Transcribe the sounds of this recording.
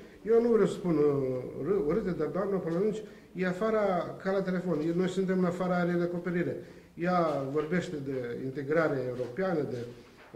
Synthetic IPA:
jewnuvɾeewsə̥spunɾɨoɾɨt̪ed̪ard̪oamnəpɨnlanunt͡ʃʲ | jeafaɾakalat̪e̞le̞fo̞nno̞jsunt̪e̞mɨnafaɾaɾed̪eako̞pe̞ɾiɾe̞ | javo̞rbe̞ʃt̪e̞d̪e̞ḭnt̪e̞ɡɾaɾeeuɾo̞peanəd̪e̞

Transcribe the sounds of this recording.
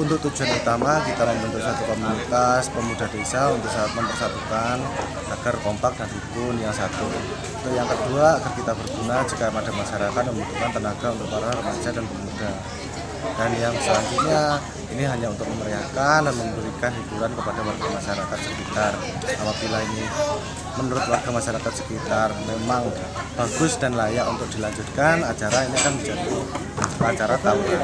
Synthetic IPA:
unt̪ʊk̚t̪ud͡ʒuɦanut̪amakit̪aməmbənt̪ʊsat̪ukɔmunit̪aspəmudahdesaunt̪ʊk̚sat̪̚məmpərsat̪ukan | aɡ̥arkɔmpak̚dampipʊnjaŋsat̪u | ut̪ʊjaŋkəduaːɡərkit̪abərɡunad͡ʒikamadamaʃaɾakat̪̚məmbud͡ʒukant̪ənaɡaunt̪uk̚maɾarəmḁd͡ʒadanpəmmuda | d̥anjaŋsəlaŋt̪uɲa | iniɦaɲaunt̪ʊk̚məməɾiakandanməmbəɾikanɦibuɾankəpadawarɡamaʃaɾakat̪̚səkit̪ar | apabilaini | mənuɾʊt̪̚warɡamaʃaɾakat̪̚sə̥kit̪armemaŋ | b̥aɡ̥ʊsd̥anlajaʔunt̪ʊk̚d̥ilaɲd͡ʒʊt̪̚kanat͡ʃaɾainikanbid͡ʒadit̪ʊ | at͡ʃaɾat̪aɾa

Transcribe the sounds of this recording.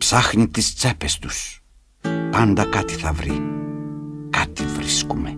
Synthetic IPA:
psɐxnit̪ist͡se̞pest̪us | pɐnd̪ɐkɐt̪i̥θɐvɾi | kat̪ivɾiskume

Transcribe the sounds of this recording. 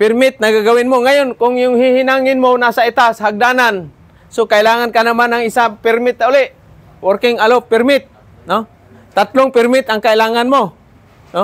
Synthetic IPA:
pɪrmɪt̪̚naɡaɡawɪnmoŋajʊnkʊŋjʊŋhɪhɪnaŋɪnmonasait̪asɦaɡ̚danan | sokailaːŋankanamanaŋɪsapɪrmɪt̪̚naʊlɪʔ | workɪŋalopɪrmɪt̪̚ | no | t̪at̪lʊŋpɪrmɪt̪aŋkailaːŋanmo | no

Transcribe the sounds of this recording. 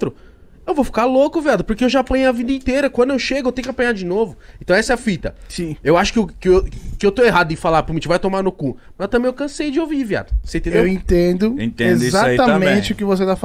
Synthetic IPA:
t̪ɾʊ | ewvowfi̥kaɾlokʊviad̪ɐpoɾkeewʒaapɐ̃ɲʊɐvĩd̪ɐĩt̪eɾɐkwɐ̃nd̪ʊewʃeɡʊewt̪ẽjʊkapɐ̃ɲaɾd͡ʒɪnovʊẽt̪ɐ̃w̃ɛsɐɛfit̪ɐsĩewaʃʊ̥kɪkɪwkɪewt̪oeɦad̪ʊẽfalapɾomĩt͡ʃʊvajt̪omaɾnʊku | mɐzewt̪ɐ̃mẽj̃awkɐ̃sejd͡ʒɪovivia̰d̪ɐsẽt̪ẽd̪ewẽt̪ẽd̪ʊẽt̪ẽed̪izatiɐmẽt͡ʃɪʊkɪvos̬et̪af

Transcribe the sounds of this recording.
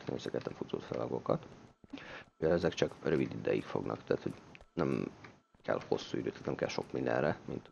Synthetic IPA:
t̪neːmsɛkɛt̪ːɛɱfut̪o̰ːt̪fɛlɒɡo̞kɒt̪ | ujɛlɛzɛkt͡ʃɒkrøvid̪id̪ɛjikfo̞ɡnʔɒkt̪æːt̪ho̞ɟnɛm | kɛ̰lho̞sːuid̪øːt̪ʰːæːt̪nɛmkɛlʃo̞kmind̪ɛ̰nrɛmint̪

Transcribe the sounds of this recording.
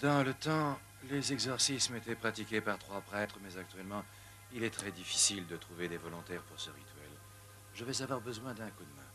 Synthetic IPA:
d̪ɑ̃lət̪ɑ̃ | lezɛɡzɔʁsismet̪ɛpχat̪ikʲepaʁt̪χwapχɛt̪χəmɛzak̚t̪ɥɛlmɑ̃ | ilɛt̪χɛd̪ifi̥sild̪ət̪χuved̪evɔlɔ̃t̪ɛʁpuʁsəʁit̪ɥɛl | ʒəvɛzavwaʁbəzwɛ̃d̪ɛ̃kud̪mɛ̃

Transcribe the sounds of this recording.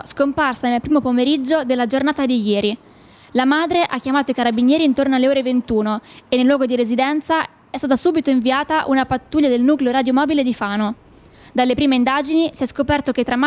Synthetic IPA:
skomparsanelpɾiːmopomeɾid͡ʒːod̪elːad͡ʒornaːt̪ad̪ijɛːɾi | lamaːd̪ɾeʔakːjamaːt̪oikaɾabinjɛːɾiːnt̪ornoalːeoːɾevent̪uːnoenːelːwɔːɡod̪iɾezid̪ɛnt̪sa | ɛst̪aːt̪asuːbit̪oiɱviaːt̪aʔunapat̪ːuːʎːad̪elnuːkleoɾaːd̪jomɔːbiled̪ifaːno | d̪alːepɾiːmeind̪aːd͡ʒinisiɛskopɛrt̪ok̟et̪ːɾam

